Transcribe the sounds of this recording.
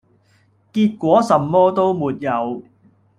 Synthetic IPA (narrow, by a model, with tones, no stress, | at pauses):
kiː˧t̚kʷɔː˨˥sɐ˨˧mːɔː˥t̪o˥wmuː˨t̚jɐ˨˧w